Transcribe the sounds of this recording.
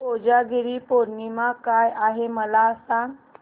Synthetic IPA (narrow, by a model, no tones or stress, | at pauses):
od͡ʑaɡʱeɾiːpoɾnimakajaɦeməlasãŋɡ